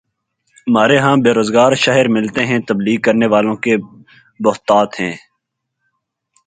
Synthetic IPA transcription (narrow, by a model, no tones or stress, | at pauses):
maːɾeɦãːbeːɾoːzɡaːɾʃaɦɪɾmɪlt̪eɦɛ̃ːt̪ɐbliːɡ̚kɐɾneʋaːlõke | bʊɦt̪aːt̪hɛ̃ː